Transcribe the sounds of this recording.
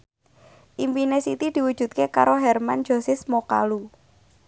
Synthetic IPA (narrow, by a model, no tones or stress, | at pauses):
ʔimpinesit̪id̪̥i̤wu̥ʒ̥ṳt̪̚keka̰ɾoɦɛrmand͡ʒ̥o̤sɪsmoka̰lu